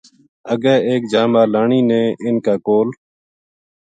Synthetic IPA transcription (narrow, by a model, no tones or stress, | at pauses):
əɠɛːeːk̚d͡ʒaːmaːlaːɳiːnẽːʔɪnkaːkoːl